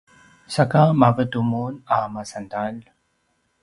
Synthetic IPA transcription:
sakamavət̪umunamasant̪al

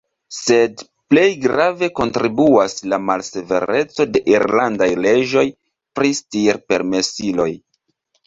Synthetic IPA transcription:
se̞d | ple̞jɡɾave̞ko̞ntɾibuaslamalse̞ve̞̰ɾe̞t͡so̞de̞ʔiɾlandajle̞ʒo̞j | pɾistiɾpe̞̰ɾme̞silo̞j

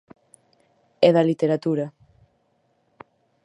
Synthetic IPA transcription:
ɛðɐlit̪eɾat̪uɾɐ

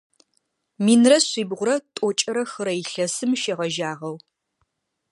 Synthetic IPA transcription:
miːnrɐɕʷiːbʁʷʊɾɐtʼɔt͡ʃʼɐɾɐxɨɾɐjɪɬɐsɨmʃeʁɐʒaːʁɐw

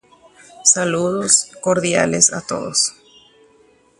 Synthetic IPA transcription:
saluðoskoɾðja̰lesa̰t̪o̞̰ðos

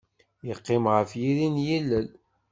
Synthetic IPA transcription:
jəqːɪmʁəfjiɾinjilːəl

